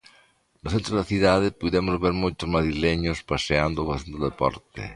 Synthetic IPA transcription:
noθent̪ɾoðaθiðaðepuðemozβeɾmojt̪ozmaðɾileɲospaseand̪oβaθend̪oðepɔ̰ɾt̪ḛ

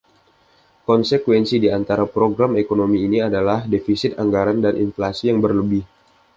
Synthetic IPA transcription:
kɔnsekwɛnsidiant̪aɾapɾoɡɾamekonomiːniadalahdefisɪt̪aŋɡaɾandanʔḭnflasijaŋbərləbɪh

